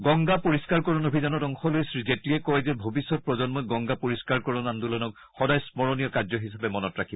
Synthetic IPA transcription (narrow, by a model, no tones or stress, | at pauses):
ɡɔŋɡapoɹiskaɹkɔɹɔnobʱizanɔtɔŋxɔlojsɹizetliɛkɔjzɛbʱobisːɔt̚pɹɔzɔnmɔɡɔŋɡapoɹiskaɹkɔɹɔnandulɔnɔk | xɔdajsmɔɹɔnijɔkazɔɦisabɛmɔnɔtɹakʰibɔ